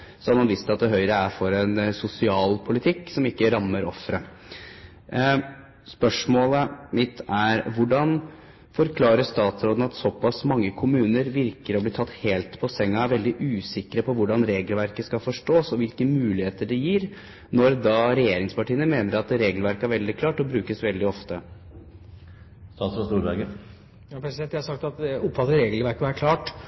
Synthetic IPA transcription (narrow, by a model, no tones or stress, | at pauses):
sɔnɑnʋiːst̪ɑt̪̚d̪ɛɦœʏɾəæɾfɔɾɛnsʊsɪɑːlpʰʊlɪt̪ʰɪkːsɔmɪkːəɾɑmːəɾɔfɾə | spœʂmoːləmɪt̪æɾʋʊɖɑn | fɔɾkʰlɑːɾəʂt̪ɑːt̪sɾoːd̪n̩ɑt̪sɔpɑsmɑŋːəkʰʊmʉːnəɾʋɪɾkəɾɔbliːt̪ʰɑt̪ːheːlt̪pʰɔsɛŋːɑʋɛld̪ɪʔʉːsɪkɾəpʰɔʋʊɖɑnɾeːɡlʋæɾkəskɑfɔʂʈoːsɔʋɪlkəmʉːlɪheːt̪əɖɛjiːɾ | nɔɾd̪ɑɾɛjeːɾɪŋspɑʈiːənəmeːnəɾɑt̪ɾeːɡlʋæɾkəæɾʋɛld̪ɪkʰlɑːʈɔbɾʉːkəsʋɛld̪ɪɔft̪ə | st̪ɑːt̪sɾɔst̪uːɾbæɡə | pɾɛsd̪ɛnt̪jæhɑsɑk̚t̪ɑt̪̚ɛʊpfɑt̪ːəɾeːɡl̩ʋæɾkəʋæɾkʰlɑːʈ